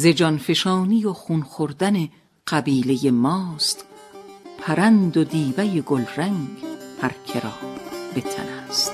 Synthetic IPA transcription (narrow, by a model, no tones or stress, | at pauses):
ze̞d͡ʒɒnfe̞ʃɒːnijoxunxoɾd̪æne | ɢ̥æbiːle̞jemɒːst̪ | pʰæɾænd̪od̪iːbæjeɡolræŋɡpʰæɾkʲʰeɾɒːbbe̞t̪ʰæ̰næst̪